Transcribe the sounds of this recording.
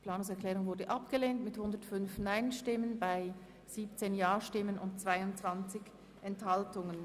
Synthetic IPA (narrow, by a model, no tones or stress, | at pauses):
pʰl̥aːnʊŋsɛɐklɛːʁʊŋvʊɐdəʔapɡ̥əleːntmɪthʊndətfʏnfnaɪnʃtɪmənbaɪ | z̥iːp̚t͡seːnjaːʃtɪmənʊ̰ntt͡sv̥aɪʊnt͡sv̥ant͡sɪç | ʔɛnthaltʊŋən